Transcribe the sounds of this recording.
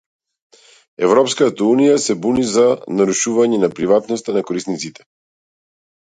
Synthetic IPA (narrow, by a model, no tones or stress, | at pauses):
ɛvɾɔpskat̪aunijasɛbunizanaɾuʃuvaɲɛnapɾivat̪nɔst̪anakɔɾisnit̪sit̪ɛ̥